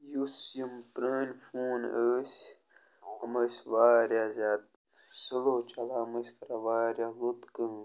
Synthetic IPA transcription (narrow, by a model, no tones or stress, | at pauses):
jusjimpɾəːnʲfuːnəːsʲ | əməsʲʋaːɾjazʲaːt̪̚ | səloːt͡ʃɐlaːməsʲkɐɾaʋaːɾjalut̪kəː